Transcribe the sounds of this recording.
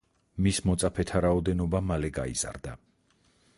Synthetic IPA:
mismɔt̪sʼapʰɛt̪ʰaɾaɔd̪ɛnɔbamalɛɡa̰iz̥a̰ɾd̪a

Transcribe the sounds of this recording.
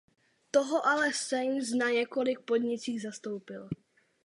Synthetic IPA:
t̪oɦoʔalɛsɛjmsnaɲɛko̞lɪk̚po̞d̪ɲɪt͡siːɣzast̪o̞wpɪl

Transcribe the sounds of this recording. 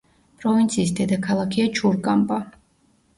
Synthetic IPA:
pʼɾɔvint̪sʰiːsd̪ɛd̪akʰalˠakʰiat͡ʃʰuɾkʼampʼa

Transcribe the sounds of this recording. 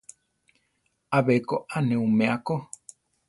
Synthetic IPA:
aβekoʔanẽumẽako

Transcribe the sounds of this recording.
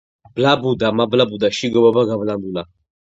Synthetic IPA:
blabud̪amablabud̪aʃiɡɔbabaɡavland̪ula

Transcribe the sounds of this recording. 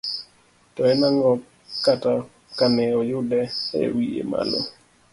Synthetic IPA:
tɔɛnaŋɔ | kata | kanɛɔjʊdɛḛwiḛma̰lo̰

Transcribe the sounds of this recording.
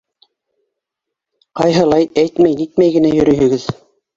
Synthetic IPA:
qɑjɦɤ̆lˠɑjæjt̪mæjnit̪mæjɡɘ̆næjɵ̆ɾɵ̆ɦɵ̆ɡɘð

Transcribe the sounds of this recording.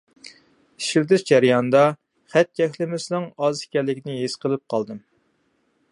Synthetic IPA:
i̥ʃild̪ɪʃd͡ʒɛɾjɑnd̪ɑ | χæt̪̚kʲʰɛkʲlɪmɪsnɨŋɑzi̥kʲɛlːɪkʲinɪɦesqəlˠɨp̚qʰɑlˠd̪ɨm

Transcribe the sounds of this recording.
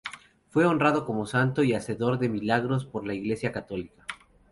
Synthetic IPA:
fwe̞o̞nrað̞o̞ko̞mo̞sant̪o̞iase̞ðo̞ɾðe̞milaɣɾo̞spo̞ɾlaiɣle̞sjakat̪o̞likḁ

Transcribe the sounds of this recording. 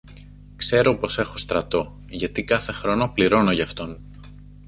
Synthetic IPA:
kse̞ɾo̞po̞se̞xo̞st̪ɾɐt̪o̞ | ʝɐt̪ikɐθe̞xɾo̞no̞pliɾo̞no̞ʝɐːft̪o̞n

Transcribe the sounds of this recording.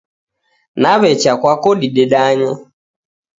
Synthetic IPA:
naβɛt͡ʃakwakɔɗiɗɛɗaɲɔ

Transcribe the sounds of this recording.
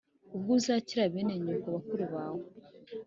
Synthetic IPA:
ub̚ɡuzaːciɾaβeneɲukaβakuɾuβaːŋo

